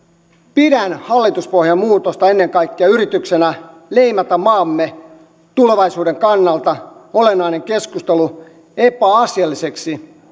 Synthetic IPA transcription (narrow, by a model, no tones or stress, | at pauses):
pidænhɑlːit̪uspohjɑmuːt̪ost̪ɑenːe̞ŋkɑijkːiɑyrit̪yksenæ | leimɑt̪æmmɑːmːe | t̪uleʋɑisuːdeŋkɑnːɑlt̪ɑo̞lenːɑineŋkeskust̪elu | epæɑsjɑlːiseksi